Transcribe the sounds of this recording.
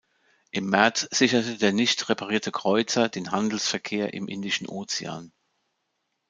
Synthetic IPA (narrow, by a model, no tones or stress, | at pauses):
ʔɪmːɛɐt͡sz̥ɪçɐtədeːɐnɪçtʁepʰaʁiːɐtʰəkʁ̥ɔʏt͡sɐdeːnɦandl̩sfɛɐkʰeːɐʔɪ̰mʔɪ̰ndɪʃn̩ʔoːt͡sea̰ːn